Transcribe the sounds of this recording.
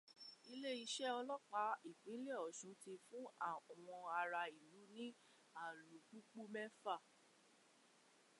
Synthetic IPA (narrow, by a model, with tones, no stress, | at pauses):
i˧le˦i˧ʃɛ˦ɔ˧lɔ˦k͡pa˨˧˦i˨k͡pĩ˨˦le˦ɔ˨ʃũ˨˦ti˧fũ˦a˨w̃ɔ̃˧a˧ɾa˧i˨lu˨˦nĩ˦ | a˦˨lu˨k͡pu˦k͡pu˦mɛ˦fa˦˨